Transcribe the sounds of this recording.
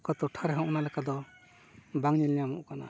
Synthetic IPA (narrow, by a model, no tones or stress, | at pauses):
kat̪ɔʈʰaɾɛɦɔ̃ʔɔnalɛkad̪ɔ | baŋɲɛljamṵʔkana̰